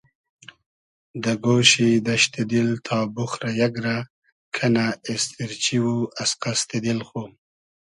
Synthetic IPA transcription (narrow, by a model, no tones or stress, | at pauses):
d̪aɡoʃid̪aʃt̪ed̪ilt̪ʰɑːbʊxɾajaɡɾa | kʰanaɪst̪ɪɾt͡ʃiwuasqast̪ed̪ilxo